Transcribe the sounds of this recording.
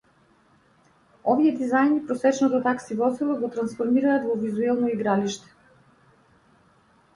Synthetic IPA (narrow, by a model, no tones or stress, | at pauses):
ɔviɛd̪izajnipɾɔsɛt͡ʃnɔt̪ɔt̪aksivɔzilˠɔɡɔt̪ɾansfɔɾmiɾaːt̪vɔvizuɛlˠnɔiɡɾaliʃt̪ɛ̥